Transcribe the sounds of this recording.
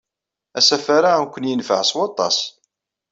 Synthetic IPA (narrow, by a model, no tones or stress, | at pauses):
æsæfaɾamkʷːənjənfə̰ʕswɑt̪ˤɑ̰s